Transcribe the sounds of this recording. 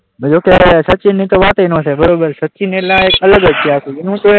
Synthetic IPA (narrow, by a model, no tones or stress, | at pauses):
d͡ʒoːkesətːt͡ʃinːĩːt̪oʋaːt̪əinõːt͡ʃʰebəɾoːbəɾsətːʃinelãeːkələɡəd͡ʒt͡ʃʰeaːkʰuɪnũt̪o